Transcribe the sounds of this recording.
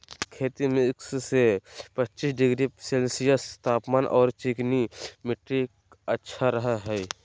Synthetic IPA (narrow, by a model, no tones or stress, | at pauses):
kʰeːt̪imɪ̃ɪkssepət͡ʃiːsɖɪɡɾiselsijast̪ʰaːpmaːnʔɔːɾt͡ʃɪknimɪʈɾɪk | ətːʃʰaɾəɦaɦɛː